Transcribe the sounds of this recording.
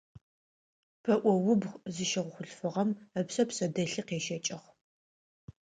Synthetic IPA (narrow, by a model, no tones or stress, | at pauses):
pʰɐʔʷɔwʊbzɨʃɐʁʷʊχʷʊɬfɨʁɐmɐpsɐpsɐdɐɬɨqeːʃɐt͡ʃʼɐχ